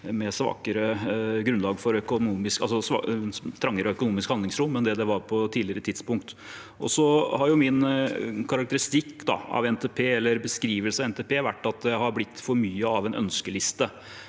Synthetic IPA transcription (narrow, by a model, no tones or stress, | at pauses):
mɛsʋɑ̰ːkəɾəɡɾʉnlɑːɡfɔɾœkʊnuːmɪskɑ̰sɔsɑ̰t̪ʰɾɑŋːəɾəɔœkʊnuːmɪskhɑnd̪ɪŋsɾʊmːɛnd̪ɛd̪ɛʋɑɾpʰɔt̪ʰiːlɪəɾət̪ʰɪd̪spʊŋkt̪ʔɔ̰sɔhɑɾjʊmɪnkʰɑɾɑk̚t̪əɾɪst̪ɪkːd̪ɑ̰ɑ̰ʋɛnt̪eːpʰeːɛlːəɾbəskɾiːʋəlsɑɛnt̪eːpʰeːʋæʈːɑt̪̚d̪ɛjæɪhɑɾblɪt̪ːfɔɾmyːəɑʋɛnœ̰nskəlɪst̪ə